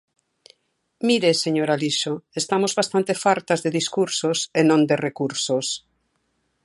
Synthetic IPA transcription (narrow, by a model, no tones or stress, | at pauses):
miɾeseɲoɾaliʃoest̪amozβast̪ãnt̪efaɾt̪azðeðiskuɾsosenõnd̪erekuɾsos